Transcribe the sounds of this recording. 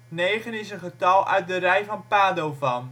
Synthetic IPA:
neːχənɪsənχətɑlˠœ̰ɥt̚dərɛjfɑnpaːdowvɑn

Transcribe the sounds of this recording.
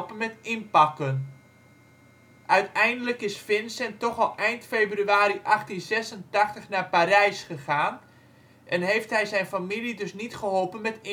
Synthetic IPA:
pənmɛtɪnpɑkən | ʔœɥtɛjndələkɪsfɪnsɛntɔχɔlˠʔɛjntfeːbryaːɾiʔɑχtinzɛsəntaχtəχnaːpaːɾɛjsχəχaːn | ʔɛnɦejftɦɛjzɛjnfamilidɵsnitχəɦɔlˠpənmɛtɪ

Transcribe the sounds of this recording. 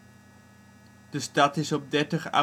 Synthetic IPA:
d̥əstɑtɪsɔb̚dɛɹtəχa̰

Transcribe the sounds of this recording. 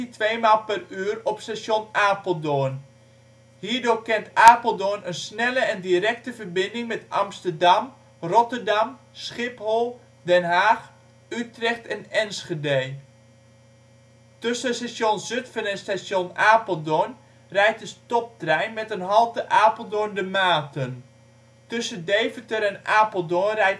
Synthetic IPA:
itʋejmaːlˠpəryərɔpstasonaːpəlˠdoən | hiːərdoːrkɛntaːpəlˠdoənənsnɛləɛndiɾɛk̚təvərbɪndɪŋmɛtɑ̰mstərdɑm | rɔtərdɑm | sχɪpholˠ | dɛnɦaːx | ytrɛxtɛnɛnsχedej | tøsəəsasjonzɵtfənənstasjonaːpəlˠdɔn | rɛjtəstɔp̚trɛjnmɛtənɦɑlˠtəʔaːpəlˠdondəmaːtən | tɵsəndejvətəɾɛnaːpəlˠdɔrɛj

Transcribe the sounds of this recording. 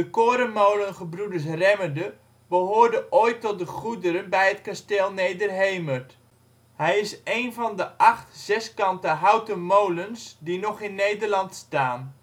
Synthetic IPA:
dəkoːɾənmowlənχəbrudəɹs̬rɛmədə | bəɦoːrdəʔoːjtɔt̚dəχudəɾənbɛjɦətkasteːlˠnejdərɦejmərt | hɛjɪsejnvɑndəʔɑχtz̥ɛskɑntəɦawtəmowlənsdinɔχɪnːejdərlɑntstaːn

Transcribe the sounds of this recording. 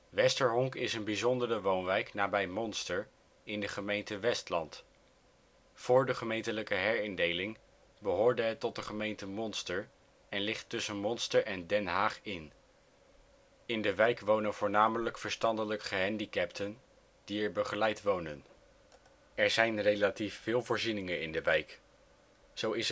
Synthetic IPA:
ʋɛstəɹɦɔŋkɪsənbizɔndərəʋownʋɛjknaːbɛjmɔnstəɹ | ɪndəχəmejntəʋɛstlɑ̰nt | fʊːɹdəχəmejntələkəɦɛɹɪndejlɪŋ | bəɦʊːɹdəɦɛtːɔt̚dəχəmejntəmɔnstəɹ | ɛnlɪχtːɵsənmɔnstəɹʔɛndɛnɦaːχɪn | ɪndəʋɛjkʋownənvʊːɹnaːmələkfəɹstɑndələkχəɦɛndikɛptʰən | d̥iɛɹbəχəlɛjtʋownən | ɛɹzɛjnrejlatifːɪːlˠvʊːɹzinɪŋənɪ̰ndəʋɛjk | z̥owɪs

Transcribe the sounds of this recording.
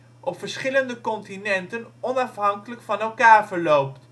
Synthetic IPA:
ʔɔpfəɹsχɪləndəkɔntinɛntənɔnɑfɦɑŋkələkfɑnɛlˠkaːɹvəɹlowpt

